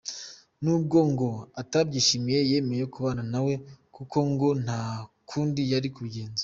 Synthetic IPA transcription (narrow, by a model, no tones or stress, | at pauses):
nuːb̚ɡo̞ŋɡo̞atabɟiːʃimije̞je̞ːmejejokuβaːnanawe̞kuko̞ŋɡo̞n̥hakʰuːndijaɾikuɡe̞ːnze